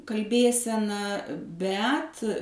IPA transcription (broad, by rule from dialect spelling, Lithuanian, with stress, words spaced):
kɐlʲˈbʲeːsʲɛnɐ ˈbʲɛt